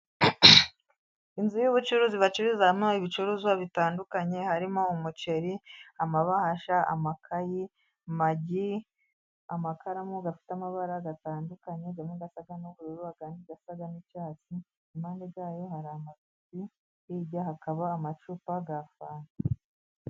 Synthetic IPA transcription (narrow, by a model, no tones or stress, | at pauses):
inzujuβut͡ʃuɾuziβat͡ʃuɾizamoiβit͡ʃuɾuːzwaβitaːndukaɲe̞haɾimo̞umut͡ʃe̞ɾiamaβahaʃaa̰makʰaji | maɟi | amakaɾamuɡafi̥tamaβaɾaɡataːndukaɲeɟamŋeɡasaɡanuβuɾuɾuaɡaːniɡasaɡanicaːt͡si | imaːndeɡaːjo̞haɾamaziti | iɟaɦakaβaːmat͡ʃupaɡafaːna